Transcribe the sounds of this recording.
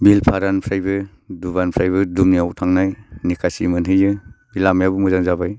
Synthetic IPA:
bilpʰaɾanpʰɾajbɯ | dubanpʰɾajbɯdumniawtʰaŋnajnikʰasimɯnɦɯjɯbilamjabumuzaŋzabaj

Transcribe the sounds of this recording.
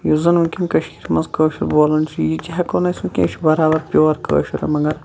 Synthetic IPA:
juzɐnukʲinkɐʃkʰiɾmɐnzkəːʃiɾboːlɐnt͡ʃʰijit͡ʃiɦɐkoːnɐsũkʲḛ̃ːʃʰibɐɾaːbɐɾpʲjoːʋɐɾkʰə̰ːʃiɾɐ̰mɐŋɡɐɾ

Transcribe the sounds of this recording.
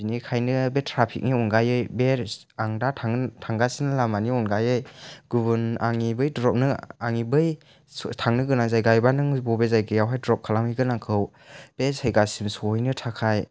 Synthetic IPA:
inikʰajnɯbetʰɾapʰḭk̚niɔnɡajɯjbeɾ | aŋdatʰaŋtʰaŋɡasinɯlamaniɔnɡajɯjɡ̥ubuna̰ŋibɯjdɾɔp̚nɯaŋibɯj | tʰaŋnɯɡɯnazajɡajbanɯŋbɔbezajɡɯjawɦajdɾɔp̚kʰalamhɯjɡɯnaŋkʰɯw | b̥esajɡasimsɔhɔjnɯtʰakʰaj

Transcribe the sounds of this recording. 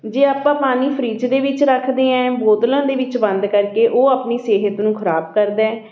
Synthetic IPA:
d͡ʒeːaːpãːpaːniːpʰəɾiːd͡ʒd̪eːʋɪt͡ʃɾəkʰd̪eːɛ̃ːboːd̪lãːd̪eːʋɪt͡ʃbə̃nd̪kəɾkeːʔoːaːpniːseːɦət̪nũːkʰəɾaːbkəɾd̪eɛː

